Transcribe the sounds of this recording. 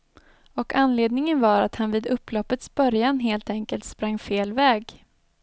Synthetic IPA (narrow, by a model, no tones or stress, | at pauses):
ɔkanleːd̪nɪŋənvaɾat̪hanviːd̪ɵpːlɔpːət̪sbœɾjanɦeːlt̪ɛŋkəlt̪spɾaŋːfeːlvɛːɡ